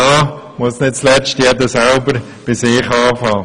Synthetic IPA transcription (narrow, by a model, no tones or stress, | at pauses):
ɑː | mʊəsnɪt̚t͡slɛt͡ʃtjɛdəsælbəɾ | b̥ɪsɪːχɑːfɑː